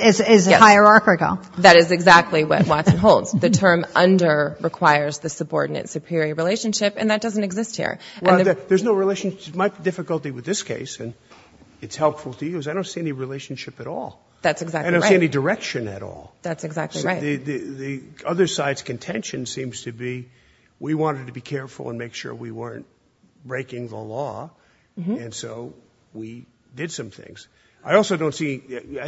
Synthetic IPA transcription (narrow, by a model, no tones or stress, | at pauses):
ɪzɪzjɛhaɪə˞ɑɹkɨk̩ˠðɨɾɨzɨɡzæk̚tˡliwʌ̰t̚wɑtsn̩ɦoʊlˠdz̥ðɨtʰɜ̃˞mʔʌ̃ndə˞ɹɨkʰw̥aɪə˞zðɨsəbɔ̰ɹdⁿnɨ̰tsʉpʰɪɹiə˞ɹileɪʃɨ̃n̩ʃɪpɨ̰̃nðɨt̚d̥ʌz̃n̩tɨɡzɪst̚hḭɹwɨ̃ɛlˠðə˞znoʊɹileɪʃn̩ʃɨmaɪt̚b̥idɪfɨkəl̩ˠtiwɨðɪskʰeɪsɨ̃n | ɨtshɛlˠpfl̩ˠtʰɨjʉzaɪdɾõʊ̃ntsiɛniɹileɪʃn̩ʃɪpɨɾɔ̰lˠ | ðætsɨɡzædõsiɛnidə˞ɛkʃɨ̃nɨ̰ɾɔ̰lˠðætsɨɡzæk̚ˡðɨðɨðɨʌðə˞saɪdz̥kɨ̃n̩tʰɛ̃nʃɨ̃nsĩmz̥tʰɨbi | wiwɑ̃ɾ̃ɨd̚tʰɨbikʰɛɹfl̩ˠə̰̃nmeɪkʃʊ̰ɹwiwɜ˞ɨ̰̃nt̚ | b̥ɹeɪkɪ̃ŋðə̰lɔ | ɨ̃nsoʊ | wi | dɨd̥sʌ̃mθɪ̰̃ŋz̥ | aɪɔlˠsoʊdõʊ̃ntsi